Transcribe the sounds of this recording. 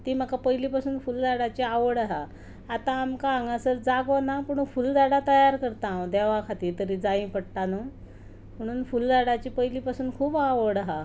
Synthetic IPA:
t̪iːm̤əkapəjlipasuːnfuld͡zaɽat͡ɕiaʋəɽaɦaː | t̪aːmkaːŋɡasəɾd͡zaɡonapəɳ̃ufuld͡zaɽat̪əjaɾkəɾt̪ãd̪eʋakʰat̪iːt̪əɾid͡zaĩpəɽʈ̪anu | m̤əɽ̃uːnfuld͡zaɽat͡ɕiːpəjlipasuːnkʰuːpaʋəɽaɦa

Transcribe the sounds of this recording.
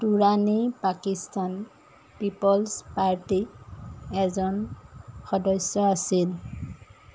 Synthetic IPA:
tuɹanipakistan | pipɔlspaɹti | ɛzɔnxɔdɔsjɔasil

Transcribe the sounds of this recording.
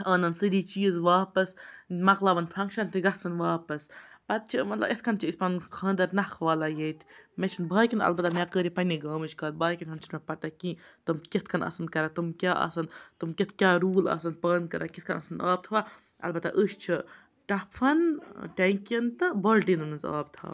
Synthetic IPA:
ɐːnɐnsɨɾiːt͡ʃiːzʋaːpɐsmɐklaʋɐnfʰɐŋkʃɐnt̪ʰiɡɐt̪sɐnʋaːpɐspɐt̪̚t͡ʃʰimɐt̪lɐ̰bʔet̪ʰkʰɐnt͡ʃʰiispɐnkʰɐ̃ːnd̪ɐɾnɐxʰʋaːlajeːjt̪ʰmet͡ʃʰinbʱaːjkʲinɐ̰lbɐt̪amʲakəːɾipɐnʲːiɡaːmɨt͡ʃkaːlbaːkʲinʲɦɐnt͡ʃʰimepɐt̪akĩt̪ɨmkit̪̚ʰkʰɐnɐ̰sɐnkɐɾat̪umkʲaːʔɐ̰sɐnt̪umket̪ʰkʲaːɾuːlɐ̰sɐnpɐːnkɐɾʔakit̪̚ʰkʰɐnɐsɐnaːb̚t̪ʰʋa | ɐ̰lbɐt̪aʔəʃt͡ʃʰi | ʈɐpʰɐnʈ̪ʲɐkʲɐnt̪ɨbɐlʈinɨnɨza̰ːb̚t̪ʰa̰ː

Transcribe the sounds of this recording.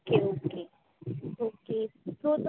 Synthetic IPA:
keoke | oːkesoːd̪

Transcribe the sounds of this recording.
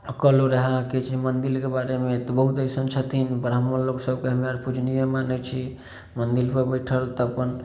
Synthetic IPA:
əkəloɾəɦaket͡ʃʰimənd̪ilkebaɾemet̪ɔbəɦut̪əsənt͡ʃʰət̪ʰinbɾamənloksəbkeɦəmeaɾpud͡ʒʱnijəmanɛt͡ʃʰi | mənd̪ilpəɾbəjʈʰəlt̪ɔəpən

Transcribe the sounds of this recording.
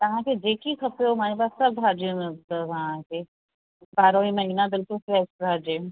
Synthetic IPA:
t̪ɐɦãked͡ʒeːkikʰɐpjomaːɾepaːsːɐbbʱaːd͡ʒjõmẽʊt̪əʋɐɦãke | baːɾõimɐɦinabɪlkʊlsɾesʈbʱaːd͡ʒẽ

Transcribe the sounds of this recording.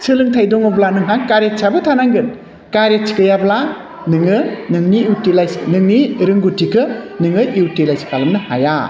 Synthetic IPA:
sɯlɯŋtʰajdɔŋɯblanɯŋɦaŋkaɾet̚sʰabɯtʰanaŋɡɯn | kaɾet̚sʰi̥kɯjabla | nɯŋɯnɯŋniutilajsnɯŋniɾɯŋɡutʰikʰɯnɯŋɯjuwtilajskalɯmnɯha̰ja

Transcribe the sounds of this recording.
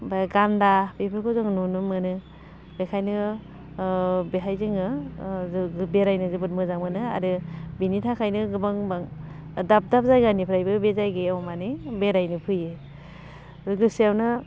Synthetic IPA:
baɡandabepʰɯɾkʰɯzɯŋnunɯmɯnɯ | bekʰajnɯ | beɦajzɯŋɯ | ɯbeɾajnɯzɯbɯt̚mɯzaŋmɯnɯa̰ɾɯbinitʰakʰajnɯɡɯbaŋbaŋ | dap̚dap̚zajɡanipʰɾajbɯbezajɡeawmanibeɾajnɯpʰɯjɯ | ɯɡɯsiawnɯ

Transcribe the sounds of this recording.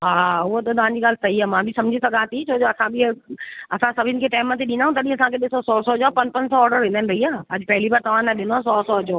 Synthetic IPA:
ɦaʊɦot̪ot̪ɐʋãɲd͡ʑiːɠaːlsɐɦiaːmãbʱɪsɐ̃md͡ʑʱisɐɡãːt̪it͡ɕʰoːd͡ʒoːɐsãbʱiɐsãsɐbʱɪnɪ̆kʰeʈaːɪmːə̃t̪̬ʰeɗɪ̃ːndaːɦũt̪ɐɗĩɐsãkʰeɗɪsɔsɔːsɔd͡ʒaːpɐ̃ɲpɐ̃ɲd͡ʑsɔːɾɖəɾẽnd̪aːnɾɐɦiaːɐd͡ʑɪpɛɦɪlibaːɾt̪ɐʋ̤ãnaɗɪnoasɔːsɔd͡ʑoː

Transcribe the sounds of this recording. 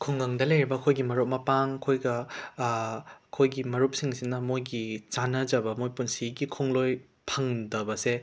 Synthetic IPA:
kʰuŋɡɐŋdɐlɐjɾibɐkʰojɡimɐɾot̚mɐpaŋɐkʰojɡɐ | kʰojɡimɐɾup̚siŋsinɐmojɡit͡ʃanɐd͡ʒɐbɐmojpunsiɡikʰoŋloj | pʰɐŋdɐbɐse

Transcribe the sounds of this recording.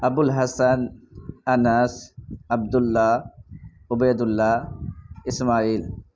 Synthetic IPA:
ʔɐbʊlɦɐsɐnʔɐnɐsʔɐbd̪ʊlːaː | ʊbejd̪ʊlːaː | ɪsmaːʔiːl

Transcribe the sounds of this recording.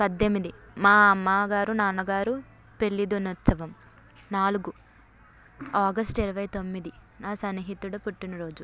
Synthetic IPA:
pɐd̪ːemːid̪i | maːɐmːaːɡaːɾunaːnɐɡaːɾu | pe̞ɭːid̪onut̪sɐʋɐm | naːluɡu | aːɡɐsʈiɾɐʋɐjɐt̪o̞mːid̪i | naːsɐnːiɦit̪ːuɽɐpuʈːinɐɾo̞ːd͡ʒu

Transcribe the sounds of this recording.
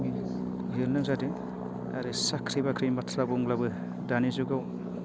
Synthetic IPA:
mi | ɦilnɯzadi | aɾisakʰɾibakʰɾimbatʰlabuŋlabɯ | danizuɡaw

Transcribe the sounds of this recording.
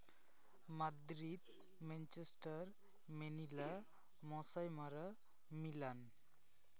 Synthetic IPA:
mad̪ɾid̪ | ment͡ʃesʈəɾ | menila | mɔ̃sajmaɾa | milan

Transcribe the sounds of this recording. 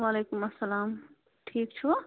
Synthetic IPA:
ʋaːleːkumɐsːɐlaːm | ʈʰiːk̚t͡ʃʰu

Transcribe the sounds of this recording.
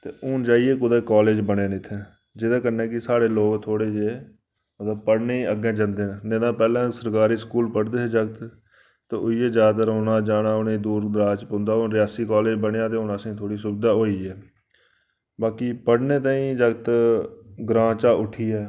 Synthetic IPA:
t̪eːʊnd͡ʒaːieːkʊd̪eːkaːleːd͡ʒbəɽeːnɪt̪ʰːẽː | d͡ʒɪd̪ãːkənẽːkɪsaːɽeːloːɡt̪ʰoːɽeːd͡ʒeː | mət̪ləb̚pəɽneːəɡẽːd͡ʒə̃nd̪eːnneːd̪ãːpɛːlãːsəɾkaːɾiːskuːlpəɽd̪eːed͡ʒəɡt̪ | t̪eːʊieːd͡ʒaːd̪t̪əɾɦʊnãːd͡ʒaːnaːʊnẽːd̪uːɾd̪ɾaːt͡ʃpõnd̪aːonɾɪjaːsiːkaːleːd͡ʒbəɳejaːt̪̬eːʊnəsĩːt̪ʰoːɽiːsʊbɪd̪aːɦoːiːɛː | baːkiːpəɽneːt̪ãːĩːd͡ʒəɡt̪ | ɡɾãːt͡ʃaːʔʊʈʰiːɛː

